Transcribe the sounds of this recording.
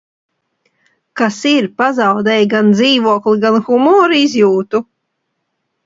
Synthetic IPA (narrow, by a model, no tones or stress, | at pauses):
kasiɾpazawd̪ɛjɡand̪ziːvuɔkliɡanxumɔːɾizjuːt̪u